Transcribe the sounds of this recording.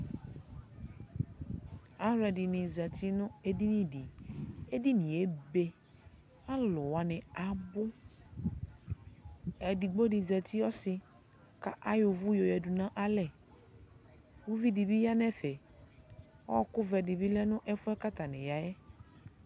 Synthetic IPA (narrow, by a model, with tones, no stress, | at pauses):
a˦ɾɛ˨dɪ˨nɪ̃˨zɛ˨t̪ʰi˦nʊ̃˦e˦di˦nĩ˦di˨e˦di˦nɪ̃˨e˨be˦ | a˦lʊ˨wa˨nɪ̃˨a˨bʊ˦ | ɛ˨di˨ɡ͡bo˦dɪ˨zɛ˨t̪i˦ɔ˦sɪ˨ | ka˦ʔa˦jʊ˨vʊ˦jo˨jɛ˨du˨nã˦ʔa˦lɛ˨ | wu˦vi˦di˨bi˦ja˦nɛ˦fɛ˨ | ɔ˦wɔ˦kʊ˦vɛ˨dɪ˨bi˦lɛ˦nʊ̃˦ʔɛ˦fʊ˦ɛ˦ka˦t̪a˨nɪ̃˨ja˨jɛ˦